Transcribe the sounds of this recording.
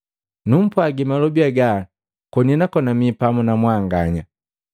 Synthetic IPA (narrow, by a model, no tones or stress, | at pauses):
num̩pwaɡimalɔbiaɡa | kɔniɛnakɔnamipamunamwaŋɡaɲa